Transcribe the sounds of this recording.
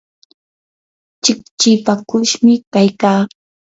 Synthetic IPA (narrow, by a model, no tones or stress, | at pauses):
t͡ʃɪkt͡ʃɪpakʊʃmɪkajkaː